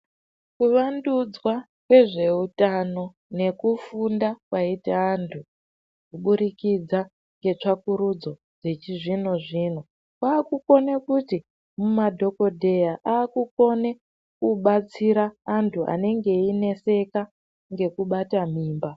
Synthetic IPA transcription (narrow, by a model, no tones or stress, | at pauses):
kuʋandud͡zwa | kwe̞ʐe̞utano̞ | ne̞kufundakwaitaːntʰu | kuɓuɾikid͡za | ŋɡe̞t͡ʂakuɾud͡zo̞ | ʐet͡ʃiʐinoʐiːn̤o | kwaːkuko̞nekuti | mumadʱo̞ko̞dʱe̞jaʔaːkuko̞ne | kuɓat͡siɾaːntʰuʔa̰ne̞ŋɡe̞ine̞se̞ka | ŋɡe̞kuɓatam̤iːmba